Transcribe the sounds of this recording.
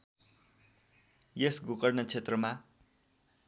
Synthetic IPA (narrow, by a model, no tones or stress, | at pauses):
jesɡukʌrnʌt͡sʰet̪rʌma